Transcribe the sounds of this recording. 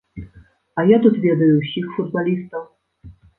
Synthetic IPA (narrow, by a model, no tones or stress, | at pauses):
ɐjat̪ut̪vʲɛd̪ɐjusʲixfud̪̚balʲist̪ɐw